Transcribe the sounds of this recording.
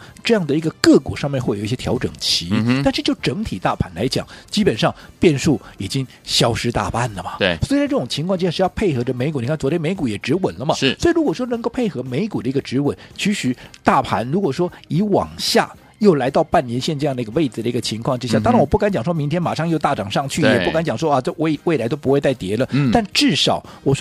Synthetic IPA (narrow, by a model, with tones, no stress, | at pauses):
ʈ͡ʂɤ˥˧jɑ˥˩ŋd̪ə˩i˧˥ɡə˧kɤ˥˩kwɔ˨˩ʂɑ˥˧ŋmjɛ˥˧nxwe˥˩ji˥˩jɛ˥t̪ʰjɑ˧˥ʊʈ͡ʂɤ̰˨˩ŋt͡ɕʰi˧˥t̪a˥˧nʂɻ̩˥˧t͡ɕjo˥˩ʊʈ͡ʂɤ˧˥ŋt̪ʰi˨˩t̪a˥˩pʰa˧˥nla̰˧˥ɪt͡ɕjɑ̰˨˩˦ŋt͡ɕi˥pə˨˩nʂɑ˥˩ŋpjɛ˥˧nʂu˥˩i˨˩t͡ɕi˥ŋ | ɕjɑ˥ʊʂɻ̩˥t̪a̰˥˩pa˥˩nlə˩mɐ˩˧˩swi˧a˥ʈ͡ʂɤ˥˩ʈ͡ʂʊ˨˩ŋt͡ɕʰi˧˥ŋʰkwɑ˥˧t͡ɕʈ͡ʂi˥ja˥˩ʂ̩˥jɑ˥˧ʊpʰe˥˩ɪxɤ˧˥ʈ͡ʂə˧me˧˥ɪk̬u˨˩ni˩ka˥˩t͡swɔ˧˥jɛ˥nme˧˥ɪk̬u˧˥jɛ˨˩ʈ͡ʂɻ̩˧˥wə˨˩nlə˦mɐ˨˥˩swɔ˧˥i˨˩ɻu˧˥kwɔ˨˩ʂwɔ˥nə˧ŋko˥˧ʊpʰe˥˩ɪxɤ˧˥me˧˥ɪku˨˩d̪ə˦i˧˥ɡə˧ʈ͡ʂɻ̩˧˥wə˨˦nt͡ɕʰy˧˥ɕy˨˩˦t̪a˥˩pʰa̰˧˥nɻu˧˥kwɔ˨˩ʂwɔ˥i˧˥wɑ̰˨˩ŋɕja̰˥˩ | jo˥˩ʊla˧˥ɪt̪ɑ˥˧ʊpa˥˩njɛ˧˥nɕjɛ˥˧nʈ͡ʂɤ˥˧jɑ˥˩d̪ə˩i˧˥ɡə˧we˥˩ɪd͡zɹ̩˩d̪ə˩i˧˥ɡə˧˩t͡ɕʰi˧˥ŋkʰwɑ˥˩ŋʈ͡ʂɻ̩˥ɕja˥˩t̪ɑ˥ŋɻa˧˥nwɔ˨pu˥˩ka˥nt͡ɕjɑ˨˩ŋʂwɔ˥mi˧˥ŋt̪ʰjɛ˥nma˨˩ʂɑ˥˧ŋjo˥˧ʊt̪a˥˩ʈ͡ʂɑ˨˩ŋʂɑ˥˧ŋt͡ɕʰy˥˩jɛ˨˩pu˥˩ka˧˥nt͡ɕjɑ˨˩ŋʂwɔ˥˧ə˥˧we˥˩ɪwe˥˩ɪla˧˥ɪt̪o˥ʊp̬u˧˥we˥˧ɪt͡sa˥˩ɪt̪jɛ˧˥lə˧t̪a˥˧nʈ͡ʂɻ̩˥˩ʂɑ˨˩˦ʊ | wɔ˨˩ʂ